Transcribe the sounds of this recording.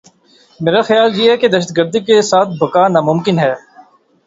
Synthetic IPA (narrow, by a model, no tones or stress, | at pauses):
meːɾaxɪjaːljeɦɛked̪ɐʃəd̪̚ɡəɾd̪ikesaːt̪̚ʰbʱɐkaːnaːmʊ̃mkɪnɦɛː